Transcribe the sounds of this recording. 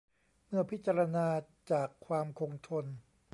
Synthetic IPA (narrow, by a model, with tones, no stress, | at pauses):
mɯ˥˩ɐpʰi˦˥t̪̚t͡ɕa˧ɾa˧naː˧t͡ɕaː˨˩kʰːwaː˧mkʰo˧ŋt̪ʰo˧n